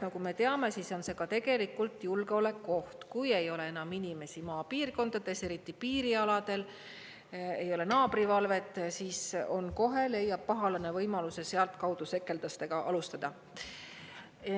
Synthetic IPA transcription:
nɑkume̞t̪e̞ɑme̞siso̞nse̞ɡ̥ɑt̪e̞ɡe̞likːˑult̪julɡ̥eo̞le̞kːo̞ht̪kuje̞jo̞le̞enɑminʲime̞simɑːpiːrko̞nd̪̥ɑd̪̥e̞se̞ɾit̪ːˑipiːɾiɑlɑd̪̥e̞l | e̞jo̞le̞nɑːb̥rivɑlve̞t̪ːˑsiːso̞nko̞ɦe̞le̞jːɑb̥̚pɑɦɑlɑne̞vɤjmɑluse̞se̞ɑlt̪kɑwd̪use̞kːˑe̞ld̪̥ɑst̪e̞ɡ̥ɑʔɑlust̪ɑd̪̥ɑ

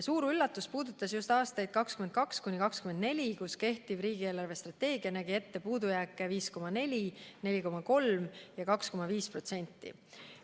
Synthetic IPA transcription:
suːɾylːɑt̪ːˑuspuːd̪ut̪ːˑɑsjust̪ɑːst̪ɑjd̪̥̚kɑkskyme̞nkɑkskunʲikɑkskymed̪ne̞lʲikuske̞ht̪ib̥riːɡ̥ie̞ːlɑrve̞st̪rɑt̪ːe̞ːɡiɑnæɡ̥ie̞t̪ːe̞puːd̪ujækːˑeviːsko̞mɑne̞lʲine̞lʲiko̞mɑko̞lmjɑkɑksko̞mɑviːspro̞t̪se̞nʲt̪ˑːḭ

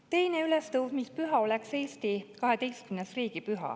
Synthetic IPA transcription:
t̪e̞jneylest̪ɤwvmispyɦɑo̞lekse̞ːst̪ikɑɦe̞d̪e̞jst̪̚kymnesriːɡ̥ipyɦɑ̰

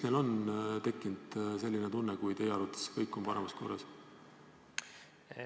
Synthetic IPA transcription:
sne̞lo̞nt̪e̞kːind̪̥se̞lʲːinet̪unːekujt̪e̞jɑɾut̪ːˑɑ̥skɤjkːˑo̞mpɑɾemɑsko̞̰rːɑ̰s

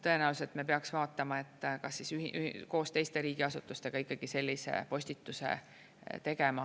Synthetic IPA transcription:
t̪ɤ̞e̞næulse̞lt̪mepeɑksvɑːt̪ːˑɑmɑe̞t̪ːˑkɑsːisyhko̞ːst̪e̞jst̪e̞ɾiːɡ̥iɑsut̪ːˑust̪e̞ɡ̥ɑikːɑɡ̥ise̞lʲːise̞̰po̞sʲt̪it̪ːusḛ | t̪e̞ɡemɑ

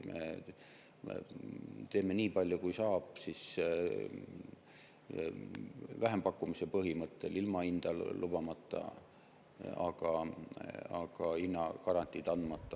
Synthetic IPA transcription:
mʔḛ | t̪e̞ːme̞niːpɑlʲːjukujsɑːb̥sis | væɦe̞mpɑkːumisepɤɦimɤt̪ːe̞lilmɑind̪̥ɑllub̥ɑmɑt̪ːɑ̰ | ɑ̰ɡ̥ɑ | ɑ̰ɡ̥ɑinːɑkɑɾɑnt̪ːˑid̪̥ɑnd̪mɑt̪ːˑɑ

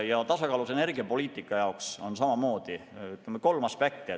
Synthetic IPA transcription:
jɑt̪ɑsɑkɑːlusene̞rɡiɑpo̞lʲiːt̪ˑikːˑɑjɑokso̞nsɑmɑmo̞ːd̪̥iyt̪ːˑemeko̞lmɑspek̚t̪i

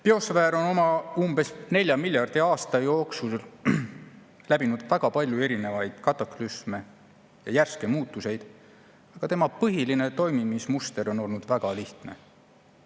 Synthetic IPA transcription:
peo̞svæːɾo̞no̞mɑumb̥e̞sne̞lʲjɑmilʲjɑrd̪̥iɑːst̪ɑjo̞ːksusl | læbinud̪̥væɡ̥ɑpɑlʲjue̞ɾine̞vɑjd̪̥kɑt̪ˑɑklysme̞ | jɑjærske̞muːt̪ːˑuse̞jd̪̥ | ɑɡ̥ɑt̪e̞mɑpɤɦiline̞t̪o̞jmimismust̪e̞ɾo̞no̞lnud̪̥væɡ̥ɑliht̪ne̞̰

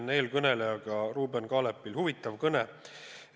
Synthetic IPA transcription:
ne̞ːlkɤnelejɑɡ̥ɑruːbenkɑːlepːilhuvit̪ːˑɑvkɤne

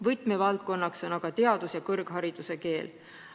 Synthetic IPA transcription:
vɤjt̪mevɑlt̪̚ko̞nːɑkso̞nɑɡ̥ɑt̪e̞ɑd̪̥usjɑkɤrɡ̥ɦɑɾid̪̥use̞ke̞ːl

